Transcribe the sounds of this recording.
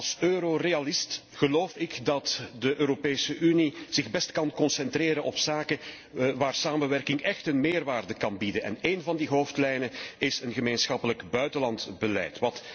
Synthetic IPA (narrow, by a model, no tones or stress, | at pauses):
ɑlˠsøːɾoreɑlɪst | ɣəloːfɪkdɑtdəʔøːɾopeːsəʔyniz̥ɪɣbɛstkɑnkɔnsɛntreːɾənʔɔpsaːkə | ʋaːrsaːmənʋɛrkɪŋɛxtənmeːrʋaːrdəkɑnbidənɛ̰neːnvɑndiɦoːftlɛjnənɪsənɣəmeːnsxɑpələkbœɥtəlɑntbəlɛ̰jtʋɑt